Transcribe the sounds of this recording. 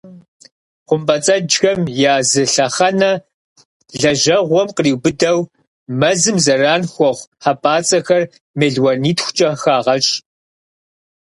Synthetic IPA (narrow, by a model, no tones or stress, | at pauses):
qʷʊmbɐt͡sʼɐd͡ʒxɐmjaːzɨɬɐχɐnɐ | ɮɐʒɐʁʷɔmqriːwbɨdɐw | mɐzɨmzɐraːnxʷɔʁʷħapʼaːt͡sʼɐxɐr | meːɮwɐniːtxʷʊ̥t͡ʃʼɐxaːʁɐɕʼ